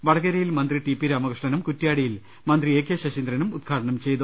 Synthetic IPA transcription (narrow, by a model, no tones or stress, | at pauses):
ʋɐɽɐɣɐɾɐjilmɐnd̪riʈipːiɾaːmɐkɨʂɳɐnumkutːjaːɽijil | mɐnd̪rieːkjeɕɐɕind̪ɾɐnumud̪̚ɡʰaːʈɐɳɐmt͡ɕe̞jt̪u